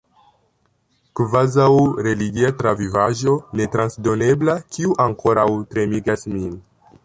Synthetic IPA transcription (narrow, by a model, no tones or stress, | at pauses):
kvazawɾe̞liɡiatɾavivaʒo̞ne̞tɾansdo̞ne̞blakʰiuʔaŋko̞ɾawtɾe̞miɡasmin